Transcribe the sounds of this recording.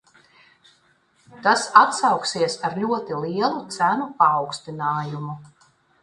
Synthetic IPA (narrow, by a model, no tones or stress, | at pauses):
t̪asat̪sɑwksiɛsaɾlʲuɔt̪ilˠiɛlˠut̪sænupaːwkst̪inaːjumu